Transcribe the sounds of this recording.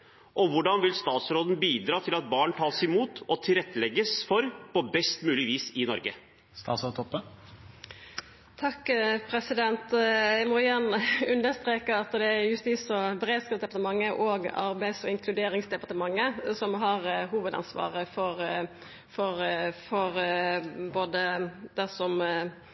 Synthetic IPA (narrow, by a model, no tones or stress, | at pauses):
ʔɔʋʊɖɑnʋɪlst̪ɑːt̪sɾoːd̪n̩biːd̪ɾɑːt̪ʰɪlɑt̪̚bɑːɳt̪ʰɑːlsɪmuːt̪ɔt̪ʰɪlɾɛt̪ʰːəlɛɡəsfɔɾpʰɔbɛst̪mʉːlɪʋiːsɪnɔ̰ɾɡə | st̪ɑːt̪sɔt̪ʰɔpːə | t̪ʰɑkːpʰɾɛsɪd̪ɛnt̪æmɔjæʁnʉnd̪əɾst̪ɾeːkəɾɑt̪d̪ɛæjʉst̪iːsɔbəʁeːd̪skɑpsd̪ɛpɑt̪əmɑŋːəʔoːɡɑ̰ɾbæɪsɔɪŋkʰlʉd̪eːɾɪŋsd̪ɛpɑʁt̪əmɑŋːəsɔmɦɑɾɦuːʋəd̪ɑ̰nsʋɑ̰ːʁəfɔʁ | fɔɾfɔʁ | boːd̪əd̪̥ɛsɔm